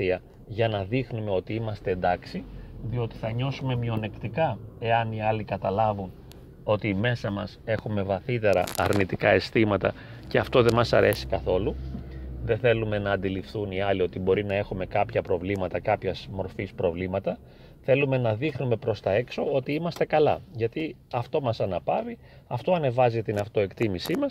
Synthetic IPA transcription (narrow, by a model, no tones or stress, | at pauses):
iɐ | ʝɐnɐðixnume̞o̞t̪iimɐst̪e̞ːnd̪ɐksiðio̞t̪i̥θɐɲo̞sume̞mio̞ne̞kt̪ikɐe̞ɐniɐlikɐt̪ɐlɐvun | o̞t̪ime̞sɐmɐse̞xume̞vɐθit̪e̞ɾɐ̰ɐ̰ɾnit̪ikɐe̞st̪imɐt̪ɐ̰ | ceɐft̪o̞ðe̞mɐsɐɾe̞si̥kɐθo̞luðenθe̞lume̞nɐːnd̪ilifθuniɐlio̞t̪ibo̞ɾinɐe̞xume̞kɐpçɐpɾo̞vlimɐt̪ɐkɐpçɐzmo̞ɾfispɾo̞vlimɐt̪ɐ | θe̞lume̞nɐðixnume̞pɾo̞st̪ɐe̞kso̞o̞t̪iimɐst̪e̞kɐlɐ̰ʝɐt̪i | ɐft̪o̞mɐsɐnɐpɐvi | ɐft̪o̞ɐne̞vɐzit̪inɐft̪o̞e̞kt̪imisimɐs